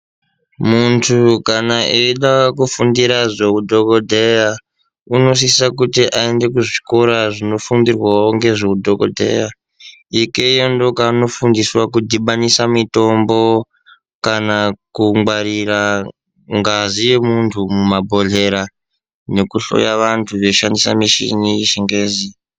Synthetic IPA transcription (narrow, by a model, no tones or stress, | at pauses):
muntʰukanaʔeiɗakufundiɾaʐekudʱokodʱeja | uno̞s̬isisakutiʔaende̞k̬uʐiko̞ɾaʐino̞fundirwaoŋɡe̞ʐekudʱoko̰dʱe̞̰ja | ike̞jo̞ndo̞kano̞fundiswakudʱiɓanisamito̞mbo̞ | kanakuŋwaɾira | ŋɡazijemuntʰumumabʱo̞ɮe̞ɾa | ne̞kuɬo̞̰jaʋantʰuʋeuʃandisa̰miʃḭniʃeŋɡeːzi